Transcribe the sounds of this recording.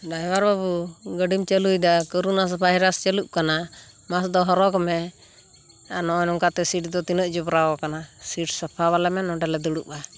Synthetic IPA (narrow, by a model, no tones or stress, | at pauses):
ɖajwaɾbabuɡəɖimt͡ʃəlujd̪akɔɾunas̬bʱajɾast͡ʃəluʔ̚kana | masd̪ɔɦɔɾɔkɔmɛ | anɔnɔŋkat̪ɛsiʈ̚d̪ɔt̪inəʔ̚d͡ʒɔbɾawɔkanasiʈsapʰaβalɛmɛnɔɖɛlɛd̪uɽuʔa